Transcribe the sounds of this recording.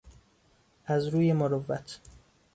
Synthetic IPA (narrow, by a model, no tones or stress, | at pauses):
ʔæzɾuːjemoɾovːæt̪ʰ